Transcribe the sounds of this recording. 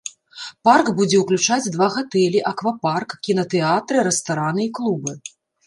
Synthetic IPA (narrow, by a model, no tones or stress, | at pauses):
parkbud͡zʲɛwklʲut͡ʂad͡zʲd̪vaɣat̪ɛlʲiʔɐkvaparkkʲinɐt̪ɛat̪ɾɨɾɛst̪aɾanɨiklˠubɨ